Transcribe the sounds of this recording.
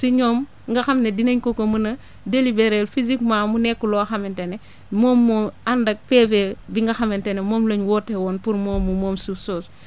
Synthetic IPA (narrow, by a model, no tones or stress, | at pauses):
siɲɔːm | ŋɡɐxɐmnedinɐɲkokomunɐ | delibeɾelfizikmaːmunɛkːulɔaxɐmentene | moːmːɔːandɐk̚pefebiŋɡɐxɐmentenemoːmloɲwɔtːewɔnpuɾmoːmːumoːmsusoːs